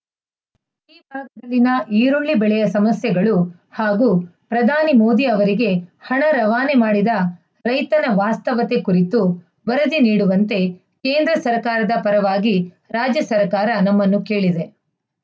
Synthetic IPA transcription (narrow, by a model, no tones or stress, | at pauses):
iːbʱaːɡɐd̪ɐlːinɐʔiːɾuɭlibɛɭɛjɐsɐmɐsjɐɡɐɭu | haːɡuːpɾɐd̪ʱaːnimo̞ːd̪iɐʋɐɾiɡe̞hɐɳɐɾɐʋaːnemaːɽid̪ɐ | ɾɐjt̪ɐnɐʋaːst̪ɐʋɐt̪e̞kuɾit̪u | ʋɐɾɐd̪iniːɽuʋɐnt̪e̞ | keːnd̪ɾɐsɐɾkaːɾɐd̪ɐpɐɾɐʋaːɡi | ɾaːd͡ʒjɐsɐɾkaːɾɐnɐmːɐnːuke̞ːɭid̪e̞